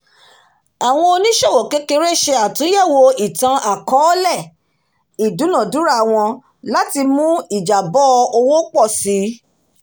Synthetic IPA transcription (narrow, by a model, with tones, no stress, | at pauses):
a˨w̃ɔ̃˧o˧nĩ˦ʃo˦˨wo˨ke˨˦ke˧ɾe˦ʃe˧a˨tũ˨˦jɛ˦˨wo˧i˨tã˧ʔa˨kɔ˨˦lɛ˦˨ | i˨du˨˦nã˨du˨˦ɾa˦˨w̃ɔ̃˧ | la˦ti˧mũ˦i˦˨d͡ʒa˨bɔ˦˧o˧wo˦k͡pɔ˦˨si˨˦